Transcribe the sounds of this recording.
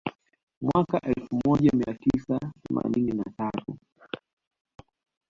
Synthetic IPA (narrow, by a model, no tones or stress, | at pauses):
mwakaʔɛlfumɔʄamiatisaθɛma̰nininatatu